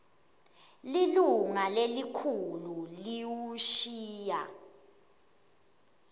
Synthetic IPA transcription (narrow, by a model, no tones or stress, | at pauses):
liluŋalelikʰululiwuʃiːja